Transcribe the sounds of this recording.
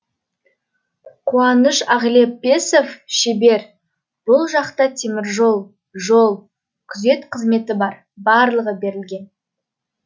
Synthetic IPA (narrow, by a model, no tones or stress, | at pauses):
qʰuɑnəʃɑʁle̞pːe̞sofʃebe̞ɾ | b̥ʊlˠʒɑqt̪ɑt̪ʰemɪɾʒo̞lˠ | ʒolˠ | kʲʰʏze̞t̪qʰəzme̞t̪ɪbɑɾ | bɑɾlˠəʁəbe̞ɾɪlɡʲe̞n